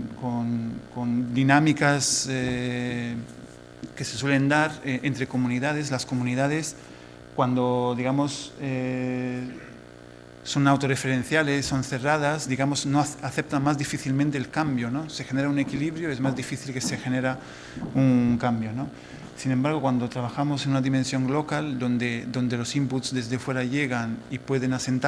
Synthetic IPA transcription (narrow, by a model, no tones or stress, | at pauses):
konkond̪inamikase | ke̞se̞swe̞le̞nd̪aɾeʔent̪ɾe̞ko̞mũniðað̞e̞zlasko̞mũnið̞að̞e̞s | kwand̪o̞ðiɣamo̞se | so̞nawt̪ore̞fe̞ɾẽ̞n̟θjale̞sːo̞nθe̞rað̞azðiɣamo̞zno̞aθe̞p̚t̪anmazðifiθilmẽnt̪e̞ːlkambjo̞no̞se̞xe̞ne̞ɾaune̞kiliβɾjoezmazðifiθilke̞se̞xe̞ne̞ɾa | ukambjo̞no̞ | sinẽmbaɾɣ̞o̞kwand̪o̞t̪ɾaβaxamo̞se̞nunaðimẽ̞nsjo̞ŋɡlo̞kald̪ond̪ed̪o̞nd̪e̞lo̞simput̪zðe̞zðe̞fwe̞ɾaʝe̞ɣ̞anipwe̞ð̞e̞nase̞nt̪